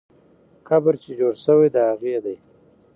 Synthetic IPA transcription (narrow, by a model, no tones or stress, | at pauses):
kabəɾt͡ʃed͡ʒoɽsəwajd̪aaɣed̪aj